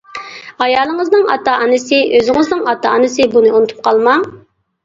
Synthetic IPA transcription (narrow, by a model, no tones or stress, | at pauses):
ɑjɑːlˠəŋəznɨŋɑ̰t̪ɑʔɑnɨsɪʔøzɪŋɨznɨŋɑt̪ɑːnɨsɨbunɨunut̪ʰu̥p̚qʰɑlˠmɑ